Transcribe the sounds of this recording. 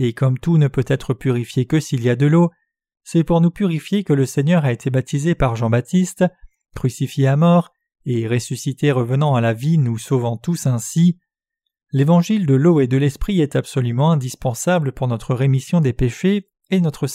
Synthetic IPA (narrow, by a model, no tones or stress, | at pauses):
ekɔmt̪unəpøt̪ɛt̪χəpyʁifjekəsiljad̪əlo | sɛpuʁnupyʁifjekələsɛɲœʁaet̪ʰebat̪izepaʁʒɑ̃bat̪ist̪ | kχysifjeamɔʁ | eʁesysit̪eʁəvənɑ̃alavinusovɑ̃t̪usɛ̃si | levɑ̃ʒild̪əloed̪əlɛspχiɛt̪apsɔlymɑ̃ɛ̃d̪ispɑ̃sabləpuʁnɔt̪χəʁemisjɔ̃d̪epeʃeː | nɔt̪χə